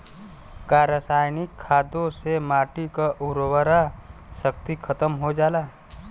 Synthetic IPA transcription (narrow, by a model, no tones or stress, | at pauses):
kaːɾasaːjnɪkʰːaːd̪õsemaːʈikaʔuɾwəɾa | səkt̪ikʰət̪əmɦod͡ʒaːlaː